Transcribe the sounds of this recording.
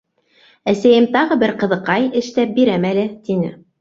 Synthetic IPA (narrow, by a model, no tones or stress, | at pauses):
æsæjɘmt̪ɑʁɤbɘɾqɤ̆ðɤ̆qɑjɘ̆ʃt̪æp̚biɾæmælɘt̪inɘ̰